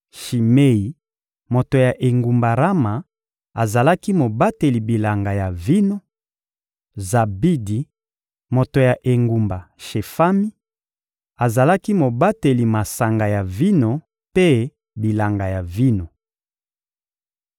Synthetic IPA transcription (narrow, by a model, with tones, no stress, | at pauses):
ʃi˨me˦i˨ | mo˨to˨ja˨ʔe˨ŋɡu˨mba˨ʁa˦ma˨ | a˨za˨la˦ki˦mo˨ba˦te˨li˨bi˨la˨ŋɡa˨ja˨vi˦no˦ | za˨bi˦di˨ | mo˨to˨ja˨ʔe˨ŋɡu˨mba˨ʃe˨fa˦mi˦ | a˨za˨la˦ki˦mo˨ba˦te˨li˨ma˨sa˨ŋɡa˨ja˨vi˦no˦ | pe˦ | bi˨la˨ŋɡa˨ja˨vi˦no˨